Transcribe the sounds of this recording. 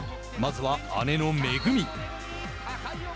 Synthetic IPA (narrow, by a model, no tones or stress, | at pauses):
mɐzʋaa̰nenomeːɡɯmi